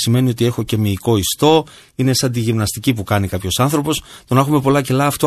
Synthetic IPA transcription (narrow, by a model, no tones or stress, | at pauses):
sime̞nio̞t̪ie̞xo̞ce̞miːko̞ist̪o̞ | inesɐnd̪iʝimnɐst̪icipukɐnikɐpço̞sɐnθɾo̞po̞st̪onɐxume̞po̞lɐce̞lɐːft̪o